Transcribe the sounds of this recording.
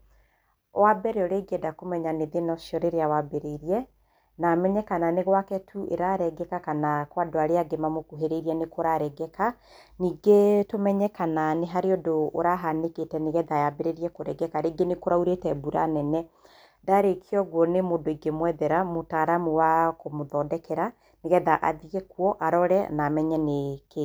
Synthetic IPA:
wabɛɾɛoɾeɡeɛdakomɛɲaneðenɔʃiɔɾeɾeawabeɾeiɾiɛ | namɛɲɛkananeɣwakɛtʰuʔḛɾaɾɛɡɛkakanakwadoaɾeaɡemamokuɦeɾeiɾiɛnekoɾaɾɛɡɛka | niːɡetomɛɲɛkananeɦaɾeodoːɾaɦaneketɛneɣɛðajabeɾeɾiɛkoɾɛɡɛkaɾeɡenekoɾauɾetɛbuɾa̰nɛnɛ | daɾekʰiɔɣwɔnemodoiɡemwɛðɛɾamotaɾamuwakomoðɔːdɛkɛɾa | neɣɛðaʔaðiɣɛkwɔʔaɾɔɾɛnamɛɲɛneke

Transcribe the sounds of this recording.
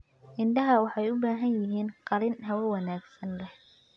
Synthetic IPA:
ʔɪnd̪ɐɦɐwɑħɑjʊbaːɦɐnjɪɦiːnqɑlɪnɦɐwɐwɑnaːɡsɐnlɛh

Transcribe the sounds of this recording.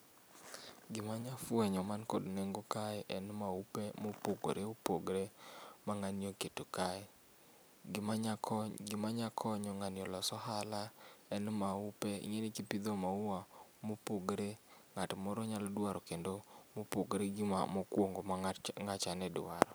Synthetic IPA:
ɡɪmaɲafwɛɲɔmankɔdneŋɡokaɛʔɛnmaupemopoɡo̰ɾeopoɡɾemaŋanjoketokaɛ | ɡmaɡɪmaɲakʰɔɲɔŋanjɔlɔsɔɦalaɛnmaupɛḭŋenɪkipid̪omauwamopoɡɾeŋatmɔɾɔɲaldwaɾɔkendomopoɡɾeɡɪma̰mɔkwoŋɡomŋat͡ʃanɛdwa̰ɾɔ

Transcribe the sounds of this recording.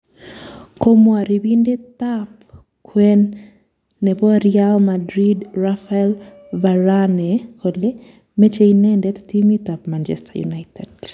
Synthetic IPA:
komwaɾibindet̪ap | kʰwɛnː | ɛbɔɾjalmadɾidrafaɛl | vaɾanekʰole | met͡ʃeinendɛt̪timit̪apmant͡ʃɛ̰stajṵnaɪtɛd

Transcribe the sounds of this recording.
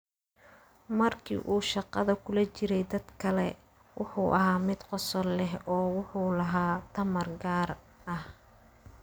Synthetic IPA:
mɐrkʰḭːʔuːʃɑqɑðɐkʰʊlɐt͡ʃɪɾɛjd̪ɐd̪kʰɐlɛ | wʔɑ̰ħuːʔɐɦaːmɪd̪qɔsɔlːɛɦɔːwʊħuːlɐɦaːt̪ʰɐmɐrɡaːr | ɐh

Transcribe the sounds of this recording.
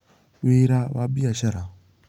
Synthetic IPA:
weɾawabiaʃaɾa

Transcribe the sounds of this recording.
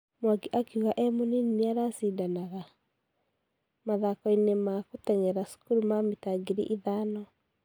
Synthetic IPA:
mwaɡiʔakeuɣaʔɛmoninneaɾasidanaɣa | maðakɔinemakotɛŋɛɾaskuɾumametaɡeɾiʔiðanɔ

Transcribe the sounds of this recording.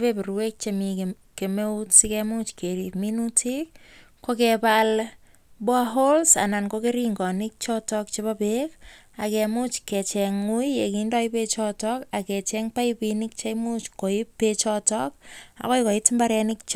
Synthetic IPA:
pepiɾwek̚t͡ʃemi | kemeutsikɛmut͡ʃkʰeɾipminutʰik̚ | kːokɛpal | bwaɦolsa̰nankokeɾiŋɡɔnɪk̚t͡ʃɔtɔk̚t͡ʃepapek | akɛmut͡ʃkɛt͡ʃɛŋujjekindɔɪpet͡ʃɔtɔkakɛt͡ʃɛŋpaipinɪk̚t͡ʃaimut͡ʃkoɪpːet͡ʃɔtɔk̚a̰kojkɔɪtmbaɾɛnɪk̚t͡ʃ

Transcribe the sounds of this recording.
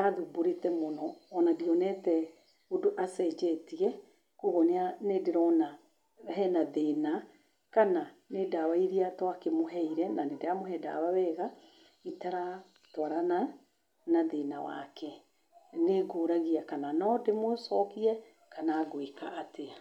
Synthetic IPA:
aðuboɾetɛmonɔːnadiɔnɛtɛ | odoʔasɛd͡ʒɛtiɛ | koɣɔneanedeɾɔna | ɦɛnaðena | kananedawaiɾiatwakemoɦɛiɾɛnanedeamoɦɛda̰wawɛɣa | itaɾa | twaɾana | naðena̰wa̰kɛ | neɡoːɾaɣiakananɔdemosɔkiɛ | kanaɣweka̰ʔːtea

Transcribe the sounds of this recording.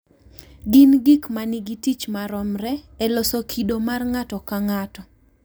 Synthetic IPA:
ɡɪnɡikmanɪɡitit͡ʃmaɾɔmɾɛɛlɔsokʰidomarŋatɔkaŋatɔ

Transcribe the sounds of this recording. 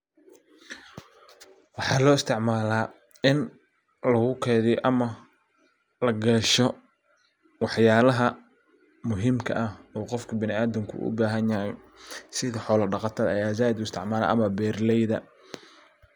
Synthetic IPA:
wɑħɑːlɔːɪst̪ʰɪʕmaːlaː | ɪn | lɐɣʊkʰɛːðɪjʔɐmɐ | lɐɡɐʃɔ | wɑħjaːlɐɦɐ | mʊɦiːmkʰɐ̰ʔɐhɔːqɔfkʰɐbɪnɪaːðɪmkʰʊ̰ʔʊ̰baːɦɐnjɐɦɛj | sɪðɐħɔːlɐɖɑqɑt̪ʰɐðɐɐjaːzaːɪd̪ʊɪst̪ʰɪʕmaːla̰ːʔɐ̰mɐbɛːrlɛjðɐ̰

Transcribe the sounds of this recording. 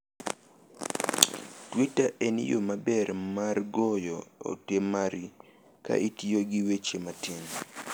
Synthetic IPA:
twitaʔenḭjomabɛɾmarɡɔjɔo̰temaɾi | ka̰ʔitioɡɪwet͡ʃematin

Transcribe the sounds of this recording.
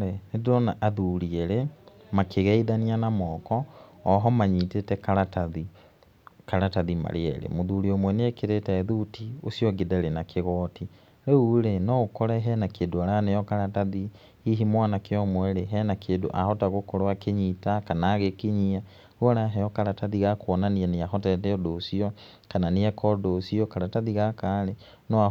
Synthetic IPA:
ɛnedɾɔnaʔaðuːɾieɾe | makeɣɛiðanianamɔːkɔːɦɔmaɲitetɛkaɾataði | kaɾataðima̰ɾeɛɾḛmoðuɾiomwɛneekeɾetɛðutiosiɔɡedɛɾenakʰeɣɔːti | ɾeuɾenɔokɔɾɛɦɛnakedoaɾanejɔkaɾataði | iɦimwanakeɔmwɛɾeɦɛnakʰedo̰ʔa̰hɔtaɣokoɾoakeɲitakanaːɣekeɲia | uɔɾaɦɛjɔkaɾataðiɣakwɔnanianeaɦɔtɛtɛɔdosiɔ | kananeɛkɔdosiɔkaɾataðiɣakaɾe | nɔa

